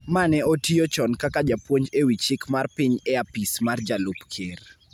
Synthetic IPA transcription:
manɛotiot͡ʃɔnkakad͡ʒapwoɲd͡ʒewit͡ʃɪkmarpiɲeapismard͡ʒalʊpkʰer

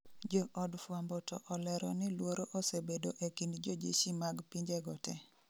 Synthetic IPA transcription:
d͡ʒɔʔɔdfwambɔtɔʔɔlɛɾɔnɪlwoɾoʔosebedoʔekindd͡ʒod͡ʒḭʃimaɡpiɲd͡ʒeɡɔtɛ

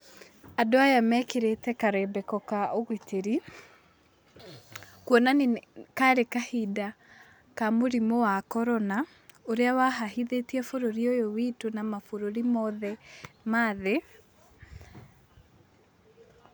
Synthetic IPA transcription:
adoajamɛkeɾetɛkaɾɛbɛkɔkaoɣiteɾi | kwɔnanekaɾekahida | kamoɾimowakɔɾɔna | oɾeawaɦahiðetiɛfoɾoɾiojowitonamafoɾoɾimɔðɛmaðe

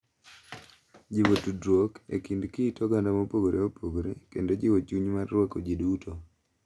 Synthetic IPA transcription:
d͡ʒibotudɾwokḛkindkitoɡandamopoɡoɾʔeopoɡoɾekendod͡ʒiwot͡ʃuɲmarːwɔkod͡ʒiduto

